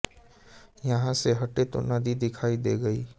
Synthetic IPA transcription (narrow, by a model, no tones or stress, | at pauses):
jɐɦãseɦɐʈet̪o̰naːd̪id̪ɪkʰaːid̪eːɡɐiː